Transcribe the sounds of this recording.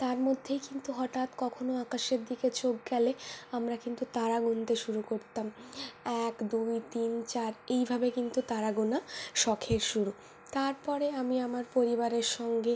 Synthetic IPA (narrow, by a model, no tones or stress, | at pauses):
t̪aɾmod̪ʱːejkint̪uɦɔʈat̪kɔkʰonoakaʃeɾd̪iket͡ɕok̚ɡɛleamɾakint̪ut̪aɾaɡunt̪eʃuɾukoɾt̪amɛkd̪ujt̪int͡ɕaɾejbʱabekint̪ut̪aɾaɡunaʃɔkʰeɾʃuɾu | t̪aɾpɔɾeamiamaɾpoɾibaɾeɾʃɔŋɡe